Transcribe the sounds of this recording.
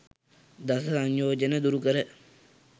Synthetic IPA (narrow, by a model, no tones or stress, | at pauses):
d̪asɐsaɲjoːd͡ʒənəd̪uɾukəɾə